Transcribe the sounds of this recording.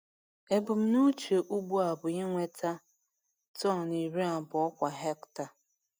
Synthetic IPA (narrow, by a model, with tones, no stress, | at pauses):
e˨bʊ˨m̩˦nu˦t͡ʃe˨ʔu˦ɡ͡bu˦a˨bʊ˨ɲɪ˦ŋʷe˦tʰa˦ | tɔ˦˨ni˨ɾi˦a˨bʊ˨ɔ˦kʷa˨ɦe˦kta˨